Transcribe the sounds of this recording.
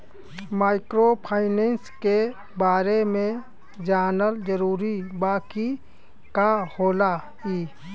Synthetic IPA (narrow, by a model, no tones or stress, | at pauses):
maːɪkɾopʰaːɪneːnske | baːɾemẽ | d͡ʒaːnəld͡ʒəɾuːɾibaːki | kahoːla | iː